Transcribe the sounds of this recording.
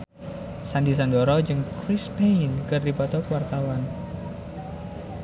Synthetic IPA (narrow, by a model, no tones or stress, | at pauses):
sandis̬andɔɾɔd͡ʒɨŋkɾɪspeinkɨrdibɔt̪ɔkwart̪awan